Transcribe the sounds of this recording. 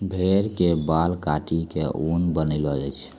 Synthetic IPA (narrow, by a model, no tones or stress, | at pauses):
bʱeɾkebalkaʈikeʔunbənəlɔə̰t͡ʃʰ